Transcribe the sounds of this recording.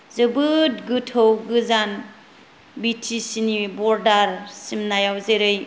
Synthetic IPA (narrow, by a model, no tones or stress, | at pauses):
zɯbɯtɡutʰowɡɯzan | bitʰisinibɔɾdaɾsimnajawzeɾɯj